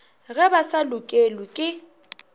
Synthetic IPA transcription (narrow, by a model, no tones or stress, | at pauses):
ɣɛbasalʊkʼelʊkʼɪ